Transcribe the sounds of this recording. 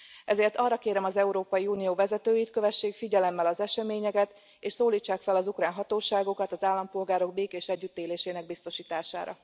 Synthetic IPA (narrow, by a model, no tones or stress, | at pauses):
ɛzeːrt̪ɒːrːɒkeːɾɛmɒzɛuɾoːpɒjiuːnijoːvɛzɛt̪øːjit̪køvɛʃːeːkfiɟɛlɛmːɛlɒzɛʃɛmeːɲɛkɛt̪ | eːʃsoːliːt͡ʃːaːkfɛlɒzukraːnɦɒt̪oːʃaːɡo̞kɒt̪ɒzaːlːɒmpo̞lɡaːɾo̞ɡ̚beːkeːʃɛɟːyt̪ːeːleːʃeːnɛɡ̚bist̪o̞ʃiːt̪aːʃa̰ːɾɒ̰